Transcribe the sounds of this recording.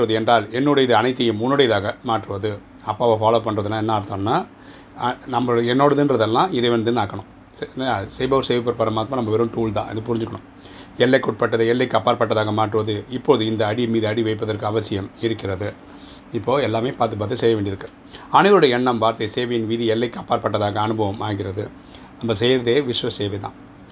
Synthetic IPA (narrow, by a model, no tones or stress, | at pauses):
aːʈːɯʋɐðɯɛndraːlɛnːɯɽɐjɐðɯɐnɐɪt̪ːɯjɯmʊnːɯɽɐjɐðaːɣɐmaːʈrɯʋɐðɯ | ɐpːaːɐʋɐfaːloːpɐɳːɾɐðɯnːãːɛnːɐaːɽɯt̪ːõːnnːaː | nɐmːɐɽɛnːoːɽɐðɯnrɐðɐlːãːɪɾɐɪʋɐnd̪ɯnaːkːɐɳʊ̃ | nsɛːbɐʋɐɾseːʋɐpːɐɾpɐɾɐmaːt̪ːmãːnɐmːɐʋɛɾɯ̃mʈuːlt̪ã̰ːʔɪ̰ðɯpʊɾɪɲd͡ʒɯkːɐɳʊ̃ | ɛlːɐkːʊʈ̚pɐʈːɐðɯɛlːɐɪkːɯɐpːaːɾpɐʈːɐðaːɣɐmaːʈrɯʋɐðɯɪpːoːðɯɪnd̪ɐɐɽɪmiːðɯɐɽiʋɐɪpːɐðɐɾkɯɐʋɐsɪjɐmɪɾɯkːɪɾɐðɯ | ɪpːoːɛlːaːmeːpaːɾt̪̬ɯp̬aːɾt̪ːɯsɛjːɐʋeːɳɖɪɾɯkːɯ | ɐɳɯʋɐɭɯɽɐɐɛɳːɐmʋaːɾt̪ɐɪseːʋɐjɪnʋiːðiɛlːɐɪkːɯɐpːaːɾpɐʈːɐðaːɣɐːnɯbʱɐʋɐmaːɣɪɾɐðɯ | nɐmːɐsɛjɾɐðeːʋɪʂʋɐsːeːʋɛt̪ã̰ː